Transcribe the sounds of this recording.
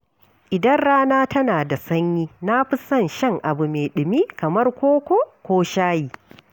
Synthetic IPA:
ʔɪ˨dɐ˦nɽaː˦naː˦tɐ˦naː˨da˨sɐ˦ɲjiː˦na˦ɸɪ˦sɐ˦nʃɐ˦ŋʔa˨bu˨meː˨ɗɪ˨miː˦kɐ˨mɐ˦rkʷoː˦kʷo˦˨kʷoː˦ʃaː˦jiː˨

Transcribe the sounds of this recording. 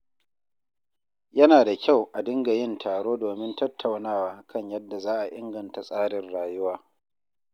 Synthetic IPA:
jɐ˦naː˨da˨kʲa˦˨wʔa˨dɪ˦ŋɡa˨jɪ˦˨ntʰaː˨ɽoː˦doː˨mɪ˦ntɐ˦tʰːa˨wnaː˦waː˨kʰɐ˦ɲjɐ˦dːa˨zaː˦ʔa˨ʔɪ˦ŋɡɐ˨nta˨sʼaː˦ɽɪ˨rɽaː˨jʊ˦waː˦

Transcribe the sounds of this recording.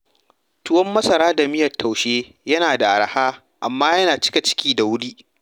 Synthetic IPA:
tʊ˦wɐ˦mːɐ˦sɐ˨ɾaː˦da˨mɪ˦jɐ˨tːa˨wʃeː˦ | jɐ˦naː˨da˨ʔa˨ɽɐ˨haː˦ | ʔa˨mːaː˦jɐ˦naː˨t͡ʃɪ̥˦kʲa˨t͡ʃɪ̥˦kʲiː˦da˨wʊ˦ɽiː˦ʔ

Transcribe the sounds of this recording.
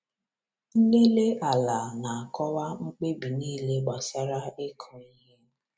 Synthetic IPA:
n̩˦le˦le˦ʔa˨la˨na˨a˨kɔ˦wa˦ŋ͡m̩˦k͡pe˦bi˨niː˦˨le˦ɡ͡ba˨sa˦ɾa˦e˦kʰɔ˨i˦ɦe˦

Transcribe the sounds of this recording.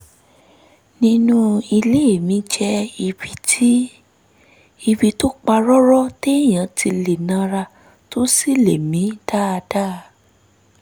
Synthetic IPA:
nĩ˦nũ˦i˧le˦˨mĩ˨˦d͡ʒɛ˧i˧bi˨˦tʰi˦ | i˧bi˧to˦k͡pa˧ɾɔ˦ɾɔ˦te˦˨j̃ã˨tʰi˧le˨nã˧˦ɾa˧ | to˦si˦˨le˨mĩ˨˦da˦a˧da˦˨

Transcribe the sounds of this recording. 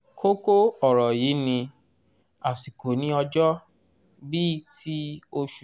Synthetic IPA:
kʰo˦ko˦ɔ˦˨ɾɔ˨ji˨˦nĩ˧ | a˨si˨ko˨nĩ˦ɔ˧d͡ʒɔ˦ | bi˦tʰi˦o˧ʃu˨

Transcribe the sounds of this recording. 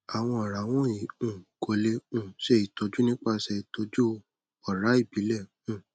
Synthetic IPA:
a˨w̃ɔ̃˧ɔ˨ɾa˨˦w̃ɔ̃˦i˨ũ˦˨ɡo˨˦le˧ũ˦˨ʃe˦i˨tɔ˨˦d͡ʒu˦nĩ˦k͡pa˦˧sɛ˧to˧˦d͡ʒu˦ | ɔ˨ɾa˨˦i˦˨bi˨˦lɛ˦˨ | ũ˦˨

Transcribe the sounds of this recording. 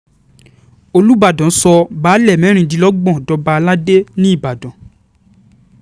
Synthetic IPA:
o˧lu˦ba˦˨dɔ̃˨˦sɔ˧baː˨˦lɛ˦˨mɛ̃˨˦ɾ̃ĩ˧di˧lɔ˦ɡ͡bɔ̃˦˨dɔ˧ba˧a˧la˦de˦nĩ˦i˦˨ba˨dɔ̃˨˦

